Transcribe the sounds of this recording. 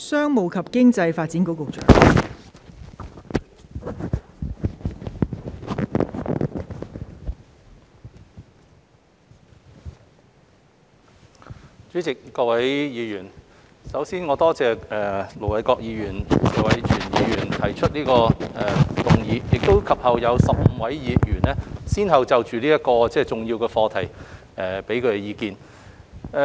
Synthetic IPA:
sœː˥ŋmo˨˧wkʰɐ˨p̚kɪ˥ŋt͡sɐ˧jfaː˧t̚t͡si˨˥nko˨˥wkʊ˨k̚t͡ʃœ̰ː˨˥ŋ | t͡ʃyː˨˥t͡sɪ˨kːɔː˧wɐ˨˥jjiː˨˧jyː˨˩n | sɐ˨˥wsiː˥nŋɔː˨˧t̪ɔː˥t͡sɛː˨ɛː˨lo˨˩wlɐ˨˥˩jkɔː˧k̚jiː˨˧jyː˨˩nsɛː˨wɐ˨˥jt͡ʃʰyː˨˩njiː˨˧jyː˨˩nt̪ʰɐ˨˩jt͡ʃʰɵ˥t̚liː˥kɔː˧ɛ˨t̪ʊ˨ŋjiː˨˧jɪ˨k̚t̪o˥wkʰɐ˨p̚hɐ˨wjɐ˨˧wsɐ˨p̚m̩˨˧wɐ˨˥jjiː˨˧jyː˨˩nɛː˥siː˥nɦɐ˨wt͡sɐ˨wt͡ʃyː˨liː˥jɐ˥kɔː˧t͡sɛː˥˩t͡sʊ˨˩ŋji˧wkɛː˧fɔː˧t̪ʰɐ˨˩j | ʔɛː˨pe˨˥jkʰɵ˨˧t̪e˨jiː˨˧kiː˧n

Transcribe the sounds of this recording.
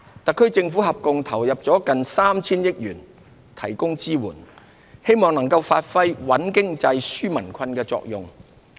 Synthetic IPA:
t̪ɐ˨kʰːɵ˥ɥt͡sɪ˧ŋfuː˨˥ɦɐ˨p̚kʊ˧ŋt̪ʰɐ˨˩wjɐ˨p̚t͡sɔː˨˥kɐ˨nsaː˥mt͡sʰiː˥njɪ˥k̚jyː˨˩n | t̪ʰɐ̰˨˩jkʊ˥ŋt͡siː˥wṵː˨˩n | he˥jmɔː˨˩ŋnɐ˨˩ŋkɐ˧wfaː˧t̚fɐ˥jwɐ˨˥nkɪ˥ŋt͡sɐ˧jsyː˥mɐ˨˩nkʷʰɐ˧nkɛː˧t͡sɔ̰ː˨k̚jʊ˨ŋ

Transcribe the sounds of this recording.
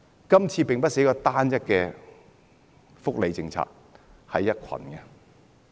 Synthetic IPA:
kɐ˥mt͡sʰiː˧pɪ˨ŋpɐ˥t̚se˨˥jkɔː˧t̪aː˥njɐ˥tkɛː˧ | fʊ˥k̚le˨˧jt͡sɪ˧ŋt͡sʰa̰ː˨k̚ | hɐ˨jːɐ˥t̚kʷʰɐ̰˨˩nkɛ˧

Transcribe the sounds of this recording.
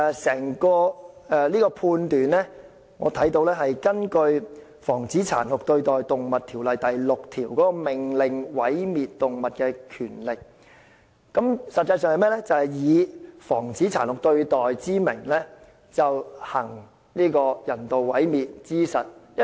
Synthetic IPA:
sɛː˨˩ŋkɔː˧ɛː˧liː˥kɔː˧pʰuː˧nt̪yː˨˩nlɛː˥ | ŋɔ̰ː˨˧t̪ʰɐ˨˥jt̪o˧wlɛː˥ɦɐ˨jkɐ˥nkɵ˧ɥ | fɔː˨˩ŋt͡siː˨˥t͡sʰa̰ː˨˩nhʊ˨k̚t̪ɵ˧ɥt̪ɔː˨jt̪ʊ˨ŋmɐ˨t̚t̪ʰiː˨˩wlɐ˨jt̪ɐ˨jlʊ˨k̚t̪ʰiː˨˩wkɔː˨˥kɔ˧mɪ˨˩ŋlɪ˨ŋwɐ˨˥jmiː˨t̚t̪ʊ˨ŋmɐ˨t̚kɛː˧kʰyː˨˩nlɪ˨k̚ː | ɐ˨˥msɐ˨t̚t͡sːɐ˧js̬œː˨˧ŋhɐ˨jmɛː˥lɛ˥t͡sɐ˨˧hɐ˨˩jjiː˨˧fɔː˨˩ŋt͡siː˨˥t͡sʰaː˨˩nhʊ˨k̚t̪ɵ˧ɥt̪ɔː˨jt͡siː˥mɪ˨˩ŋlɛ˥ | t͡sɐ˨whɐ˨˩ŋ | niː˥kɔː˧jɐ˨˩nt̪o˨wwɐ˨˥jmiː˨t̚t͡siː˥sɐ˨˩t̚jɐ˥

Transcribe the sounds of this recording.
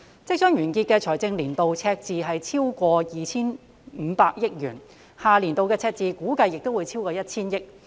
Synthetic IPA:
t͡sɪ˥k̚sœ˥ŋjɥyː˨˩nki˧t̚kɛː˧t͡ʃʰɔː˨˩jt͡sɪ˧ŋliː˨˩nt̪o˨wt͡sʰɛː˧k̚t͡siː˨˧ɦɐ˨jt͡sʰiː˥wkʷɔː˧jiː˨t͡sʰiː˥n | m̩ː˨˧paː˧k̚jɪ˥k̚jyː˨˩n | haː˨liː˨˩nt̪o˨˧wkɛː˧t͡sʰɛː˧k̚t͡siː˨˧kuː˨˥kɐ˧jːɪ˨k̚t̪o˥wu˨˧jt͡sʰi˥wkɔː˧jɐ˥t̚t͡sʰiː˥njɪ˥k̚

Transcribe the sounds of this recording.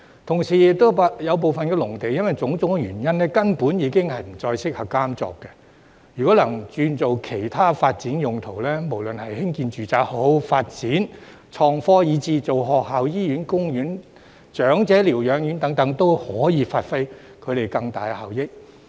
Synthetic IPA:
t̪ʰʊ˨˩ŋsiː˨˩jɪ˨k̚t̪ːo˥wpːjɐ˨˧wp̬o˨wfɐ˨nkɛ˧lʊ˨˩ŋt̪e˨kjɐ˥nwɐ˨jt͡sʊ˨˥ŋt͡sʊ˨˥ŋɛ˧ɥyː˨˩njɐ˥nlɛː˥kɐ˥npuː˨˥njiː˨˧˥kɪ˥ŋhɐ˨jm̩˨˩t͡sɔː˧jsɪ˥k̚hɐ˨p̚kaː˥mt͡sɔ̰ː˨kːɛ˧ | jyː˨˩kʷɔː˨˥lɐ˨˩ŋt͡ʃyː˧nt͡so˨wkʰe˨˩jt̪ʰaː˥faː˧t̚t͡siː˨˥njʊ˨ŋt̪ʰo˨˩wlɛː˥mo˨˩wlɵ˨nhɐ˨jhɪ˥ŋkiː˧nt͡ʃyː˨t͡saː˨k̚ho˨˧˥wfaː˧t̚t͡siː˨˥n | t͡ʃʰɔː˧ŋfɔː˥jiː˨˧t͡siː˨˧t͡so˨˩wɦɔː˨k̚ɦaː˨wjiː˥jyː˨˥nkʊ˥ŋjyː˨˥n | t͡ʃœː˨˥ŋt͡sɛː˨˥liː˨˩wjœː˨˧ŋjyː˨˥nt̪ɐ˨˥ŋt̪ɐ˨˥ŋt̪o˥whɔː˨˥jiː˨˧faː˧t̚fe˥j | kʰɵ˨˧ɥt̪e˨jkɐ˧ŋt̪a̰ː˨jhaː˨˩wjɪ˥k̚

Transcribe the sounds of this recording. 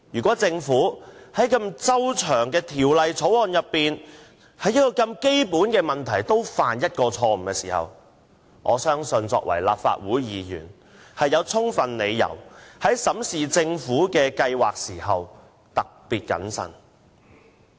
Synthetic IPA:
jyː˨˩kʷɔː˨˥t͡sɪ˧ŋfuː˨˥hɐ˨˥jkɐ˧mt͡sɐ˥wt͡ʃʰœː˨˩ŋkɛː˧t̪ʰiː˨˩wlɐ˨jt͡sʰo˨˥wɔː˨˧njɐ˨pːiː˨n | hɐ˨˥jɐ˥t̚kɔː˧kɐ˧mke˥jpuː˨˥nkɛː˧mɐ˨nt̪ʰɐ˨˩jt̪o˥wfaː˨njɐ˥t̚kɔː˧t͡sʰɔː˧m̩˨˩kɛ˧siː˨˩hɐ̰˨w | ŋʔɔː˨˧sœː˥ŋsɵ˧nt͡sɔ̰ː˧k̚wɐ̰˨˩jla̰ː˨p̚fa̰ː˧t̚wuː˨˥jjiː˨˥jy̰ː˨˩n | hɐ˨jːɐ˨˧wt͡sʰʊ˥ŋfɐ˨nle˨˧jːɐ̰˨˩whɐ˨˥jsɐ˨˥msiː˨t͡sɪ˧ŋfuː˨˥kɛː˧kɐ˧jwaː˨k̚siː˨˩hɐ˨w | t̪ɐ˨k̚piː˨t̚kɐ̰˨˥nsɐ̰˨n

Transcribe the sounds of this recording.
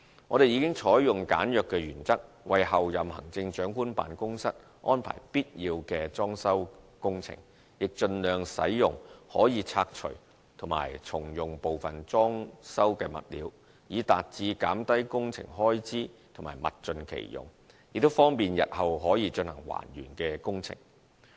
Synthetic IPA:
ŋɔː˨˧ɾe˨ji˨˧kɪ˥ŋt͡ʃʰɔː˨˥jjʊ˨ŋkaː˨˥njœː˨kːɛː˧jyː˨˩nt͡sɐ˥k̚ | wɐ˨jhɐ˨wjɐ˨mhɐ̰˨˩ŋt͡sɪ˧ŋt͡ʃœː˨˥ŋkuː˥npa̰ː˨nkʊ˥ŋsɐ˥t̚ | ʔɔː˥npʰa̰ː˨˩jpiː˥t̚jiː˧wkɛː˧t͡sɔː˥ŋsɐ˥wkʊ˥ŋt͡sʰɪ̰˨˩ŋ | jɪ˨k̚t͡ʃɵ˧nlœː˨ŋsɐ̰˨˥jjʊ˨ŋhɔː˨˥jiː˨˧t͡sʰaː˧k̚t͡ʃʰɵ̰˨˩ɥ | t̪ʰʊ˨˩ma̰ː˨˩jt͡sʰʊ˨˩ŋjʊ˨ŋpo˨wfɐ˨nt͡sɔː˥ŋsɐ˥wkɛː˧mɐ̰˨t̚lḭː˨˧w | jiː˨˧t̪aː˨t̚t͡siː˨˧kaː˨˥mt̪ɐ˥jkʊ˥ŋt͡sʰɪ̰˨˩ŋɦɔː˥jt͡siː˥t̪ʰʊ˨˩ŋmaː˨˩jmɐ̰˨t̚t͡ʃɵ˧nkʰḛ˨˩jjʊ̰˨˩ŋ | jɪ˨k̚t̪o˥wfɔː˥ŋpiː˨njɐ̰˨t̚hɐ˨wɦɔː˨˥jiː˨˧t͡ʃɵ˧nhɐ˨˩ŋwa̰ː˨˩njy̰ː˨˩nkɛː˧kʊ˥ŋt͡sʰɪ̰˨˩ŋ

